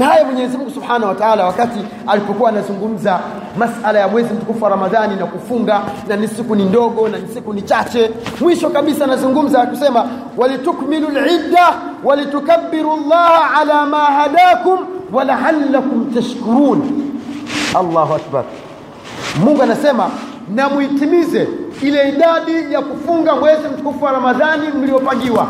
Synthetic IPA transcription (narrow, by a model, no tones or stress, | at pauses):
nahajamwɛɲɛzimuŋɡusubħaːnahuwataʕalawakati | alipɔkuwaːnazuŋɡum̩za | masalajamwɛzim̩tukufaɾamaðaninakufuŋɡananisikunindɔɠɔnanisikunit͡ʃat͡ʃɛmwiʃɔkaɓisaːnazuŋɡum̩zanakusɛma | walitukmilulʕidːawalitukabːiɾulːaːhʕalaːmaːhaɗaːkumwalaʕalːakumtaʃkuɾuːn | alˠːaːhuak̚ba̰ɾ | muŋɡuanasɛma | namwitimizɛilɛiɗaɗijakufuŋɡamwɛzim̩kufwaɾamaðanim̩lijɔpaŋɡiwa